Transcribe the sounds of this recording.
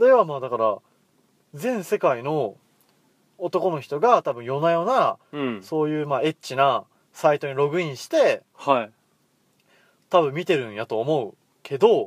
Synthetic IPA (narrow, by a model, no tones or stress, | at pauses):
d̪e̞βamaːd̪akaɾa | zẽ̞ɰ̃se̞kaino̞ | t̪o̞ko̞no̞çʲi̥t̪o̞ɡat̪abɯ̟̃ɰ̃jo̞najo̞ːnaso̞ːjɯ̟ːmaːe̞t͡ɕːina | sait̪o̞ɲ̟iɾo̞ɡɯ̟ĩɰ̃ɕi̥t̪e̞ | ha | t̪abɯ̟̃mʲːit̪e̞ɾɯ̟̃ɰ̃jat̪o̞ːmo̞ɯ̟ | kʰe̞d̪o̞